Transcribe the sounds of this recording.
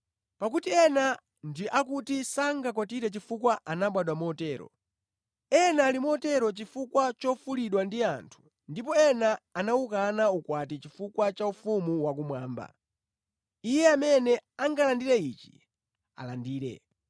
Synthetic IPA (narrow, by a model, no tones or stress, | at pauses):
pakutiɛna | ndiʔakutisaŋɡak̬ɔtiɾɛt͡ʃifukwaʔanaɓwaɗwamɔtɛːɾɔ̰ | ɛnalimɔtɛɾɔt͡ʃifukwat͡ʃɔfuliɗwandiantʰu̥ | ndipɔɛnaːnaukanaukwatit͡ʃifukwat͡ʃaufumuwak̬umwaːmba̰ | ijɛamɛnɛaŋɡalandiɾɛit͡ʃi̥ | a̰landiːɾɛ̰